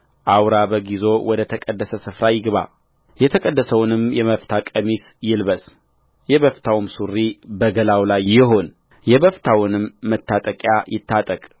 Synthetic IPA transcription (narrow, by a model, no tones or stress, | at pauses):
ʔawɾaβəɡizo̞wɔd̪ət̪ʰəkʼəd̪ːəsəsɨfɾajɪɡβa̰ | jɛt̪ʰəkʼəd̪ːəsəwnɨmjɛməft̪ʰakʼəmisjɪlβəs | jɛβəft̪ʰawmsurːibəɡəlawlajɪɦo̞n | jɛβəft̪ʰawnɨmːət̪ʰːat̪ʼəkʼjajɪt̪ːat̪ʼəkʼ